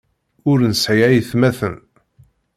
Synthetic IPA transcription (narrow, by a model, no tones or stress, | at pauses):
ʊɾnsʕjæjθmæθən